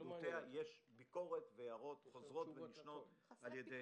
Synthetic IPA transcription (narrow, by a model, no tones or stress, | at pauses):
ut̪eajeʃbiko̞ʁetvejaʁo̞tχozʁo̞tveniʃno̞taljede